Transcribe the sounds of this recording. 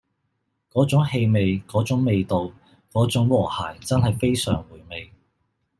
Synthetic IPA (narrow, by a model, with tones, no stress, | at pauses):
kɔː˨˥t͡sʊ˨˥ŋhe˧jme˨jkɔː˨˥t͡sʊ˨˥ŋme˨˧jt̪o˨w | kɔː˨˥t͡sʊ˨˥ŋwɔː˨˩ha̰ː˨˩jt͡sɐ˥nhɐ˨jfe˥jsœː˨˩ŋwuː˨˩jme˨j